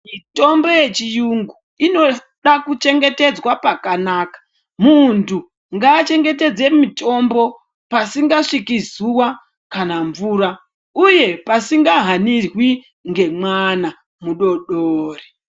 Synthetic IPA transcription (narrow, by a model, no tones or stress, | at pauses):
mito̞mbo̞je̞t͡ʃijuŋɡu | ino̞ | ɗakut͡ʃe̞ŋɡe̞te̞d͡zwapakanaːkḁ | muntʰu | ŋɡaːt͡ʃe̞ŋɡe̞t̬e̞d͡ze̞mito̞mbo̞ | pasiŋɡaʂikizuwa | kanaɱvuːɾa | uje̞pasiŋɡaɦanirwi | ŋɡe̞mwana | muɗo̞ɗoːre